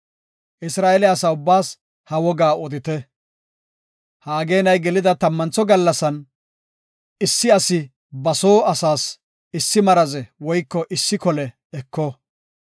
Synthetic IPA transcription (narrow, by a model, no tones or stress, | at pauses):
ʔɪsɾaːɛlɛɐsaʊbːaːs | hɐwɔɡaːɔd̪ɪt̪ɛ | haːɡe̞ːnɐjɡɛlɪd̪ɐt̪ɐmːɐnt͡sːɔɡɐlːɐsɐn | ɪsːɪɐsɪ | bɐsoːɐsaːs | ɪsːɪmɐɾɐzɛwɔjkːɔʔɪsːɪkɔlɛ | ɛkːɔ